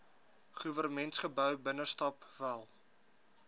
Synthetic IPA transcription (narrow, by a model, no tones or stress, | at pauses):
χuvərmɛntsχəbœwbənəstɑpvælˠ